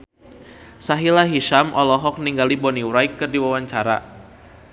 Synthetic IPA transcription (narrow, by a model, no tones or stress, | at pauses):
saɦilaɦiʃamʔɔlɔɦɔk̚niŋɡalibɔniwɾajkːɨrdiwawaɲt͡ʃaɾa̰